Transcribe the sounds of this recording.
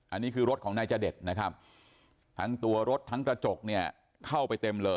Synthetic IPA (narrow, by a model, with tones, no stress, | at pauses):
ʔa˧nːiː˦˥kʰɯː˧ɾo˦˥t̪̚kʰɔː˩˦ŋnaː˧jt͡ɕaː˧de˨˩t̪̚na˦˥kʰa˦˥p̚ | t̪ʰa˦˥ŋt̪u˧ɐɾo˦˥t̪ʰːa˦˥ŋkɾa˧t͡ɕo˨˩k̚ni˥˩ɐ | kʰa˥˩wpa˧jt̪e˧mlɤː˧